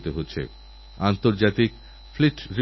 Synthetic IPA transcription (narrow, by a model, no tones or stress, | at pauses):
t̪eɦotːɕʰḛ | ant̪oɾd͡ʑat̪ik̚ | fliʈɾi